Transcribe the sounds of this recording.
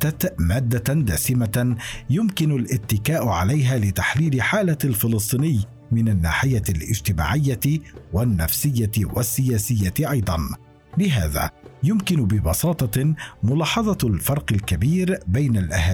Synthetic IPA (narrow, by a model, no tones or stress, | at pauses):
at̪maːd̪ːad̪aːsɪmajʊmkɪnʊlʔɪt̪ːɪkaːʔʕalajɦaːlɪt̪aħliːlɪħaːlalfɪlɨs̬ˤt̪ˤiːnɪjː | mɪnanːa̰ːħɪjalʔɪ̰d͡ʒt̪ɪma̰ːʕɪjːawanːa̰fsɪjːat̪wasːɪjaːsɪjːaɪʔɑjd̪ˤɑn | bɪɦaːða̰ːjʊmkɪnʊbɪbɑsɑːt̪ˤɑmʊlɑːħɑðˤɑlfɑɾˤqɪlkabiːɾbajnalʔaha